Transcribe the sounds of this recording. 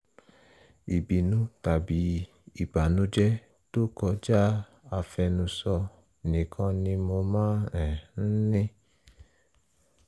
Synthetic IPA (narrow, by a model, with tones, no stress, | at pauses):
i˨bi˨nũ˦ta˨bi˨˦ | i˦˨ba˨nũ˦d͡ʒɛ˦ | to˦kɔ˧d͡ʒa˦ | a˧fɛ˧nũ˧sɔ˧ | nĩ˨kʰã˧nĩ˧mo˧mãː˦ɛ˨n̩˦nĩ˦